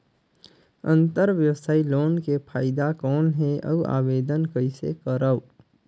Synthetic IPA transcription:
ə̰̃nt̪əɾʋjəʋsaːiloːnkepʰaːɪd̪akɔːnɦeə̰ua̰ːʋeːd̪ənkəɪsḛkəɾə

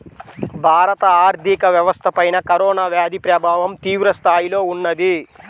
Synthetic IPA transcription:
bʱaːɾɐt̪ɐaːɾd̪ʱikɐʋjɐʋɐst̪ʰɐpɐjnɐkɐɾɔːnaːʋjaːd̪ʱipɾɐbʱaːʋɐmt̪iːʋɾɐst̪ʰaːjilo̞ːunːɐd̪i

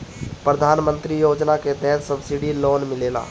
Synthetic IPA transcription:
pɾəd̪ʱaːnmə̃nt̪ɾijoːd͡ʒnaket̪ɛɦɛt̪səbsiɖiloːnmɪleːla̰ː

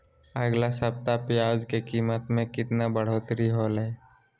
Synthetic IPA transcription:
əɡlasəp̚t̪apɪjaːd͡ʒkekiːmət̪mẽkɪt̪nabəɽ̤oːt̪ɾiɦoːlɦɛː

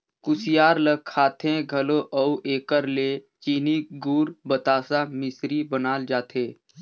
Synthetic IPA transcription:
kʊsɪjaːɾləɡkʰːaːt̪ʰẽɡʱɐloʔəuʔeːkəɾleː | t͡ʃiːniɡuːɾbət̪aːsamɪsɾibənaːld͡ʒaːt̪ʰeː

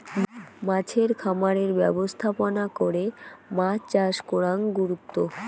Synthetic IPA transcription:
mãt͡ɕʰeɾkʰamaɾeɾbɛbost̪ʰaponakoɾemat͡ɕaʃkoɾaŋɡuɾut̪ːo

